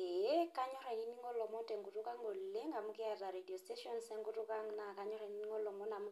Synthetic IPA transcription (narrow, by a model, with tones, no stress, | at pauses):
e˦ka˦ɲɔ˦ɾa˨i˦ni˦ŋɔ˦lɔ˨mɔ˦tɛ˨ŋɡu˨tu˦ka˦ŋɡo˨le˦ŋɡa˨mukja˨ta˨ɾedi˨ɔ˨ste˦ʃɔ˦nsɛ˦ŋɡu˦tu˦ka˦ŋna˨kaɲɔ˦ɾa˨i˨ni˦ni˦ŋɔ˦lɔ˨mɔ˦na˨mu˦